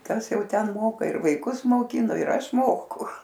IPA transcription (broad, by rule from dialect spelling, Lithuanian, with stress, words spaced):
ˈkɐs ˈjɛʊ ˈtʲɛn ˈmoːkɐ ɪr ʋɐɪˈkʊs moːˈkʲɪnoː ɪr ˈɐʃ ˈmoːkʊ